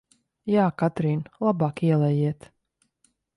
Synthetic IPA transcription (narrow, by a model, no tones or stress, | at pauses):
jaːkat̪ɾiːnlˠabɑːkiɛlˠɛjiɛt̪